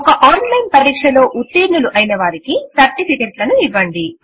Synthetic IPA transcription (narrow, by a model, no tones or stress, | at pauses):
ɔkɐʔaːnlɐjnpɐɾiːkʂɐlo̞ːʔut̪ːiːɾnuluʔɐjnɐʋaːɾikisɐɾʈipʰikeːʈlɐnuiʋːɐɳɖi